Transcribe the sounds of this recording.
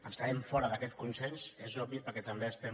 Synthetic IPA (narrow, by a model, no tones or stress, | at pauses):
ənskəɛɱfɔɾəðəkɛt̪̚kunsɛnsezɔbipəɾkɛt̪əmbeəst̪ɛ